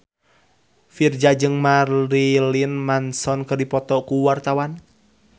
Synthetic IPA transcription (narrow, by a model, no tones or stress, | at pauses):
fird͡ʒad͡ʒɨŋmarlilinmansɔnkɨrdipɔt̪ɔkuwart̪awan